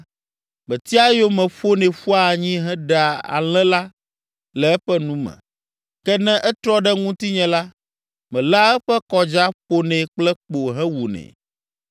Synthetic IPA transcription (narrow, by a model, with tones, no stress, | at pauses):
mɛ̃˨t̪i˦a˦jo˦mɛ̃˨ɸo˦nɛ̃˨ɸu˦a˨ɲĩ˦ɦɛ̃˦ɖa˨a̰˨l̃ɛ̃˦la˦ | lɛ˨˦ɸɛ˦nũ˦mɛ̰̃˨ | kɛ˦nɛ̃˦ʔɛ˦t̪ɾɔ˦ɖɛ˦ŋũ˦t̪i˦ɲɛ̃˨la˦ | mɛ̃˨la˦ɛ˦ɸɛ˦kɔ˦d͡ʒa˦ɸo˦nɛ̃˨k͡plɛ˦k͡po˨ɦɛ̃˦wu˨nɛ̰̃˨